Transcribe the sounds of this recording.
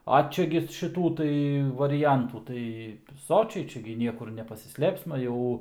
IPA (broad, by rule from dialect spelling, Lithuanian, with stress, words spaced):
ɐ ˈt͡ʃʲɛ ɡʲɪ ʃʲɪˈtuː tɐɪ ʋɐrʲɪˈjɛntuː tɐɪ ˈsoːt͡ʃʲɛɪ ˈt͡ʃʲɛ ɡʲɪ ˈnʲiɛkʊr nʲɛpɐsʲɪˈsʲlʲeːpsmɐ ˈjɛʊ